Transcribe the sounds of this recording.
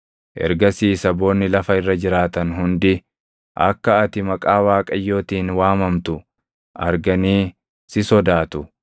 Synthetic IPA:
ʔɛ̰ɾɡɐsiːsɐbo̞ːnːɪlɐfɐɪrːɐd͡ʒɪɾaːt̪ɐnɦʊnd̪ɪ | ʔɐ̰kːɐːt̪ɪmɐkʼaːwaːkʼɐjːo̞ːt̪iːnwaːmɐmt̪ʊ | ʔɐɾɡɐniː | sɪsɔd̪aːt̪ʊ

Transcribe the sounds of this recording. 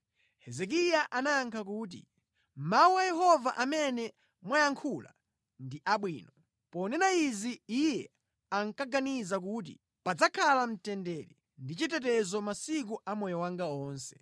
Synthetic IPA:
hɛzɛk̬ijaʔanaaŋkʰakuːt̬ḭ | mauajɛhɔvaʔamɛnɛ | mwajaŋkʰula̰ | ndiʔaɓwiːnɔ | pɔnɛnaiziijɛ | aŋkaɡanizak̬ut̬ḭ | pad͡zakʰalam̩tɛndɛɾɛ | ndit͡ʃit̬ɛtɛzɔmasik̬uʔamɔjɔwaŋɡaɔːnsɛ̥

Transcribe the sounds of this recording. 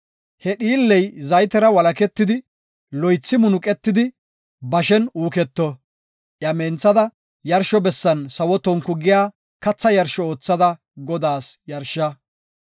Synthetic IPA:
hɛɗiːlːɛjzɐjt̪ɛɾɐwɐlɐkɛt̪ːɪd̪ɪ | lɔjt͡sːɪmʊnʊkʼɛt̪ːɪd̪ɪ | bɐʃɛnuːkɛt̪ːɔ | ʔjɐmɛnt͡sːɐd̪ɐ | jɐɾʃɔbɛsːɐnsɐwɔt̪ɔŋkːʊɡɪjaː | kɐt͡sːɐjɐɾʃɔoːt͡sːɐd̪ɐ | ɡɔd̪aːsjɐɾʃɐ

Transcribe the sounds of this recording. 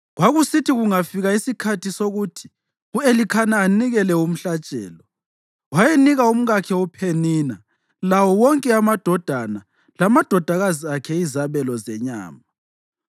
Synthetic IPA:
ɣwaɣusitʰiɣuŋafiɣaisikʰatisoɣutʰi̥ | uelikʰanaːniɣɛlɛum̩ɬat͡ʃʼɛ̰ːlɔ | wajeniɣaum̩ɣakʰɛupʰenina | lawɔwɔŋkʼɛamad̥ʱɔd̥ʱana | lamad̥ʱɔd̥ʱaɣaziakʰɛizaβɛlɔzɛɲa̰ːma

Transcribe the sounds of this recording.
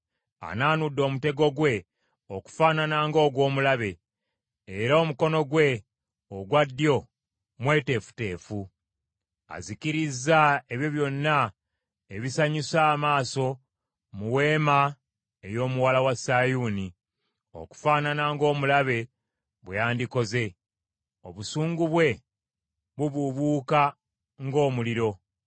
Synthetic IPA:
a̰naːnudːo̞ːmute̞ɡo̞ɡwe̞ | o̞ku̥faːnanaːŋɡo̞ːɡwo̞ːmulaβe̞ː | ɾaomuko̞no̞ɡwe̞ | oɡwadːjo̞ | mwe̞ːte̞fu̥te̞ːfu | a̰ziciɾizːaeβjoβjo̞nːa | eβisaɲusaːmaːso̞ | muwe̞ːma | ejo̞ːmuwalawasajuːni | o̞̰ku̥faːnanaŋɡo̞ːmulaβe̞ | βwejaːndiko̞ze̞ | o̞βusuːŋɡuβwe̞ | βuβuβuːka | ŋɡo̞ːmuliɾo̞

